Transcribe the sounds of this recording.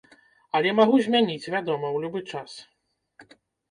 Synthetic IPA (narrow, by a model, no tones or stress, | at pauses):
ɐlʲɛmaɣuzʲmʲanʲit͡sʲvʲad̪ɔmɐwlʲubɨt͡ʂas